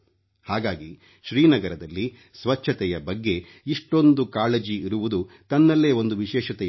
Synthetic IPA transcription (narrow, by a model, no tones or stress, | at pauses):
haːɡaːɡi | ʃɾiːnɐɡɐɾɐd̪ɐlːi | sʋɐt͡ʃʰːɐt̪ɛjɐbɐɡːe̞ | iʂʈo̞nd̪ukaːled͡ʒiiɾuʋud̪u | t̪ɐnːɐlːe̞ːo̞nd̪uʋiʃɛːʃɐt̪ɛ